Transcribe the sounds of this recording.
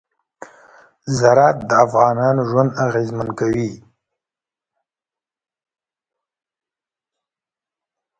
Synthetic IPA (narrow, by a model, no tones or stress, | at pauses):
zaɾɑt̪̚d̪əafɣɑnɑnoʒwand̪aɣezmankawi